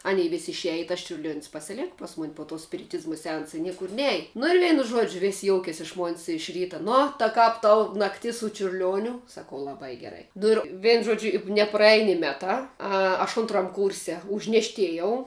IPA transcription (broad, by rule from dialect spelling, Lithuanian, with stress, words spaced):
ˈɑːnʲɛɪ ʋʲɪsʲ ɪʃʲˈæːjɪ ɪ tɐs t͡ʃʲʊrʲˈlʲuɔnʲsʲ pɐsʲɪˈlʲeːkɐ ˈpɐs ˌmʊnʲ poː tuɔ sʲpʲɪrʲɪˈtʲɪzmɐ sʲɛˈɐnsɐ ɪ ˈnʲiɛkʊr ˈnʲɛj nʊ ɪr ˈʋʲɛɪnʊ ˈʒuɔd͡ʒʲʊ ʋʲɪsʲ ˈjoːʊkʲeːsʲ ɪʃ moːnʲsʲ ɪʃ ˈrʲiːtɐ ˈnʊ tɐ ˈkɐp ˈtɐʊ nɐkˈtʲɪs sʊ t͡ʃʲʊrʲˈlʲuɔnʲʊ sɐˈkɐʊ lˠɐˈbɐɪ ɡʲɛˈrɐɪ ˈnʊ ɪr ˈʋʲeːn ˈʒoːd͡ʒʲʊ ɪ nʲɛprɐˈɛj nʲɪ ˈmʲæːtɑː ˈɐ ɐʃ ˈʊntrɐm ˈkʊrʲsʲɛ ʊʒʲnʲɛʃʲˈtʲeːjɛʊ